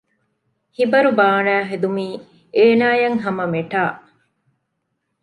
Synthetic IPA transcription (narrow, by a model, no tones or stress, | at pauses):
hibɐɾubaːnæːɦed̪umiː | eːnaːjɐŋɦɐmɐmeʈaːʔ